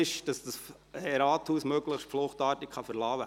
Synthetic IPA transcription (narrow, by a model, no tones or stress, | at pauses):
ɪʃd̥ɑsd̥ɑs | ɛɾɑːthuːsmøɡləχʃtflʊχtɑːɾtɪkχɑfəɾlɑːwə